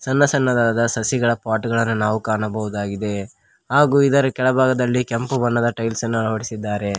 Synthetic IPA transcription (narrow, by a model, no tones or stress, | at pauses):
sɐnːɐsɐnːɐd̪aːd̪ɐsɐsiɡɐɭɐpaːʈuɡɐɭɐnːunaːʋukaːɳɐbɐɦud̪aːɡid̪e̞ | ɦaːɡuːid̪ɐɾukɛɭɐbʱaːɡɐd̪ɐlːikempubɐnːɐd̪ɐʈɐjlsɐnːuɐɭɐʋɐɽisid̪ːaːɾe̞